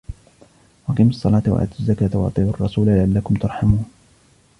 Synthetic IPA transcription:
ʔɑqiːmɑsˤːɑlɑːt̪wa̰ʔa̰ːd̪azːakaːt̪awɑ̰ʔt̪ˤiːbɑrˤːɑsuːlalɪʕalːakʊmt̪ʊɾˤħamuːn

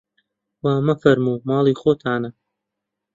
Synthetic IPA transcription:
wamɐfɐɾmuːmɑːlˠiːxoːt̪ʰaːnɐ

